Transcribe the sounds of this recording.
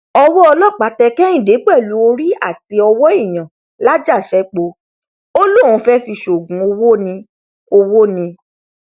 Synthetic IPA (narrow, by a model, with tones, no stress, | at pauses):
ɔ˧wɔ˦ɔ˧lɔ˦˨k͡pa˨tɛ˧kɛ̃˦ĩ˦˨de˨˦k͡pɛ˦˨lu˨˦o˧ɾi˦a˦˨ti˧˦ɔ˧wɔ˦i˦˨j̃ã˨ | la˦d͡ʒa˦˨ʃɛ˦k͡po˧ | o˦lu˦˨ũ˨˦fɛ˦fi˧ʃo˨ɡũ˨˦o˧wo˦nĩ˧ | o˧wo˦nĩ˧